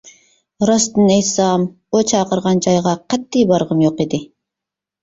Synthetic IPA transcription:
ɾɑst̪ɨnejsɑm | ot͡ʃʰɑqɯɾʁɑnd͡ʒɑjʁɑqʰɑt̪ːijbɑɾʁɯmjo̞qed̪i

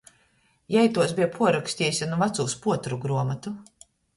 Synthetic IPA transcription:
jɛjt̪uɔs̬bʲiɛpʰuɔɾaksʲt̪ʲiɛsʲanuvat̪suːspuɔt̪ɾuɡɾuɔmat̪u

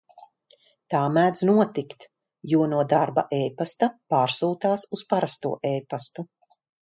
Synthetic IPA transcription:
t̪aːmæːd̪znuɔt̪ikt̪ | juɔnuɔd̪aɾba̰ʔejpast̪apaːɾsuːt̪aːsuspaɾast̪ṵɔʔɛːpast̪u

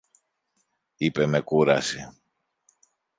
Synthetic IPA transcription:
ipe̞me̞kuɾɐ̰si

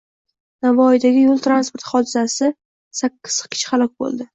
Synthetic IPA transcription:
navɒjd̪aɡʲɪjolˠt̪ɾanspoɾt̪χɒd̪ɪzasɪ | sakʲʰːɪ̥z̥kʲʰɪ̥t͡ʃʰχalˠɒk̚ʲbo̰lˠd̪ɪ

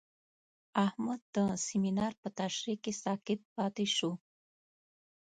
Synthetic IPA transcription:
ahmad̪ːəsiminɑɾpət̪aʃɾikesɑkɪt̪̚pɑt̪eʃu

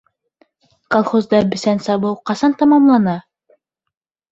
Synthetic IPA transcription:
kolˠχozd̪ɑbɘ̆sænsɑβɤwqɑsɑnt̪ɑmɑmlˠɑnɑ

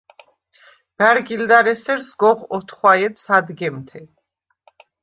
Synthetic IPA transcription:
b̥æɾɡild̪aɾɛsɛɾsɡɔʁɔt̪ʰχwaɛd̪sad̪ɡɛmt̪ʰɛ

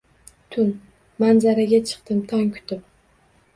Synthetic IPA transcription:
t̪ʰʊn | manzaɾaɡʲat͡ʃʰɨ̥qt̪ɪmt̪ʰɒŋkʲʰʊ̥t̪ɪp̚

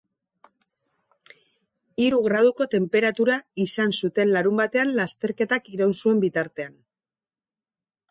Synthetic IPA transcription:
iɾuɣɾað̞uko̞t̪e̞mpe̞ɾat̪uɾaisansut̪e̞nlaɾumbat̪e̞anlast̪e̞ɾke̞t̪akiɾawnsue̞mbit̪aɾt̪e̞an

